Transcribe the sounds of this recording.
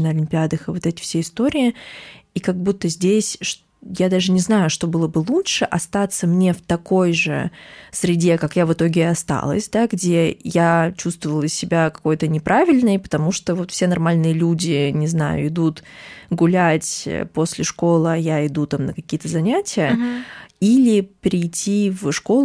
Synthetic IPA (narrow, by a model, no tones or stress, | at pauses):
nəɐlʲɪmʲpʲɪad̪əxɨvot̪ɛtʲɪ̥fsʲeɪst̪o̞ɾʲɪɪikɐɡ̚but̪ːəzʲdʲesʲʂ | jad̪aʐɨnʲɪznajʊʂt̪o̞bɨlˠəbɨlˠutʂɨʔɐst̪at̪səmnʲe̞ft̪ɐko̞jʐɨ̰sɾʲɪdʲekakjavɨt̪o̞ɡʲɪɐst̪a̰lˠə̰sʲd̪aɡdʲejat͡ɕust̪vəvəlˠəsʲɪbʲakɐ̥ko̞jt̪ənʲɪpɾʔavʲɪlʲnɨjpə̥t̪ɐmuʂt̪ovo̞t̪fsʲenɐrmalʲnɨjəlʲudʲɪnʲɪzna̰jʊ̰ɪd̪ut̪ɡʊlʲætʲpo̞sʲlʲɪʂko̞lˠɨajaɪd̪ut̪amnəkɐkʲijət̪əzɐnʲætʲɪjə | ilʲɪpɾʲɪjtʲʰːivʂko̞lˠ